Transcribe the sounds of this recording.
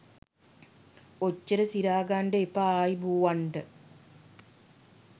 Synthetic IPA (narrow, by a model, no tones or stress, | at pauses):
ot͡ɕːɐɾɐsiɾaːɡaːɳɖeːpːaaːjibuːʋɐɳɖɨ